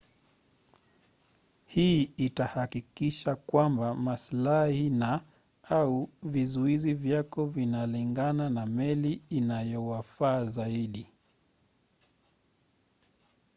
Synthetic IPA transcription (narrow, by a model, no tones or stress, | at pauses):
hiːitahakikiʃakwambamaslahina | auvizuizivjakɔvinaliŋɡananamɛliːnajɔwafaːzaiɗi